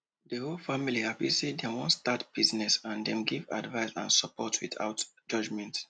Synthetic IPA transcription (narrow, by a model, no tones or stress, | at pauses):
dəholfamilihapisedɛ̃mwɔ̃nstatb̥iznɛsãndɛ̃mɡiva̰dvaɪsã̰nsɔpɔtʰwḭθa̰ʊt | d͡ʒɔd͡ʒmɛ̃nt